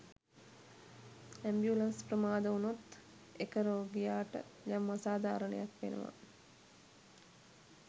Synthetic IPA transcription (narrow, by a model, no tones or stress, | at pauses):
æmbjulansprəmaːd̪əunut̪ | ekəɾoːɡijaːʈə̰jamːasaːd̪ʱaːɾənḛjakʋḛnə̰ʋa̰